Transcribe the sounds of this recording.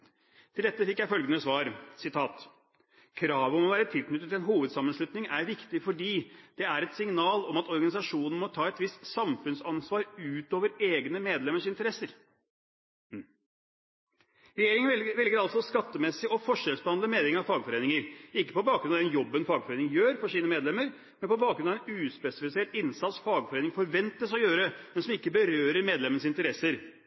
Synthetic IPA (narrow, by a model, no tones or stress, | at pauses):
t̪ʰɪld̪ɛt̪ːəfɪkːjæɪfœlɡənəsʋɑːɾsɪt̪ʰɑːt̪ | kʰɾɑːʋəɔmɔʋæːɾət̪ʰɪlknʏt̪ːət̪ɪlɛnɦuːʋəd̪sɑmːənʂlʉt̪nɪŋæɾʋɪkt̪ɪfɔɖiːd̪̥ɛæɾɛt̪sɪŋnɑːlɔmɑt̪ɔɾɡɑnɪsɑʂuːnn̩mɔt̪ʰɑːɛt̪ʋɪst̪sɑmfʉnsɑnsʋɑːɾʉːt̪oːʋəɾeːɡnəmeːd̪lɛmːəʂɪnt̪əɾɛsːəɾ | ɾɛjeːɾɪŋəʋɛlɡəɾɑlsɔskɑt̪ːəmɛsːɪʔɔfɔʂɛlsbəhɑnləmeːlɪŋɑʋfɑːɡfɔɾeːnɪŋəɾɪkːə̥pɔbɑːkɾʉnɑd̪ɛnjɔbːənfɑːɡfɔɾeːnɪŋjøːɾfɔʂiːnəmeːd̪lɛmːəɾ | mɛnpɔbɑːɡkɾʉnɑɛnʉːspɛsɪfɪseːʈɪnsɑt̪sfɑːɡfɔɾeːnɪŋfɔɾʋɛnt̪əsɔjøːɾəmɛnsɔmɪkːəbəɾøːɾəɾmeːd̪lɛmənəsɪnt̪əɾɛsəɾ